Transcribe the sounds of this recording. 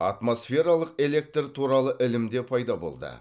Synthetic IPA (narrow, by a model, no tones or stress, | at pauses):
ɑ̰t̪mo̞sfʲe̞ɾɑlˠəqe̞le̞k̚t̪rt̪ʰuɾɑlˠəʔɪlɪmd̪e̞pʰɑjd̪ɑbo̞̰lˠd̪ə̰